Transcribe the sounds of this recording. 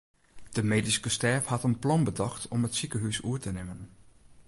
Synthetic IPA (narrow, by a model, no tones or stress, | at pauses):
d̥əmeːdiskəstɛːfhatənplɔnbədɑxtʰɔmətsikəɦysuətənɪmən